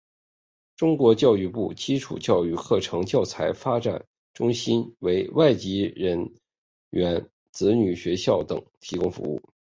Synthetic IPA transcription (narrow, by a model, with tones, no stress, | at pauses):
ʈ͡ʂʊ˥ŋkwɔ˧˥t͡ɕjɑ˥˧ʊy˥˧pu˥˩t͡ɕi˥ʈ͡ʂʰṵ˨˩t͡ɕjɑ˥˧ʊy˥˧kʰɤ˥˩ʈ͡ʂʰɤ˧˥ŋt͡ɕjɑ˥˩ʊt͡sʰa˧˥ɪfa˥ʈ͡ʂa̰˨˩n | ʈ͡ʂʊ˥ŋɕi˥nwe˧˥ɪwa˥˩ɪt͡ɕi˧˥ɻə˧˥n | ɥɛ˧˥n | t͡sɹ̩˧˥ny˨˩ɕɥɛ˧˥ɕjɑ˥˩ʊt̪ɤ̰˨˩˦ŋt̪ʰi˧˥kʊ˥ŋfṵ˧˥ṵ˥˩